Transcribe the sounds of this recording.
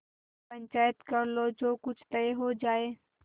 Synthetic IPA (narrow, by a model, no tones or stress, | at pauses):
pɐ̃ɲt͡ʃaːjət̪kɐɾlod͡ʒoːkʊd͡ʒʰʱt̪ɐeɦod͡ʒaːeː